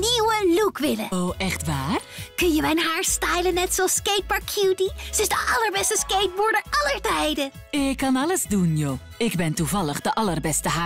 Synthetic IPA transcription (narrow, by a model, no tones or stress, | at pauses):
niwəlukʋɪləoʔɛχtʋaːrkɵnjəmɛjnɦaːɹstɛjlənːɛtsɑskejt̚bɑɹkʰjuːtisəɪsdəʔɑləɹbɛstəskejt̚bʊːɹdəɹɑləɹtɛjdə | ɪkːɑnɑləzdunjoː | ɪɡbɛntuvɑləχdəʔɑlərbɛstəɦaː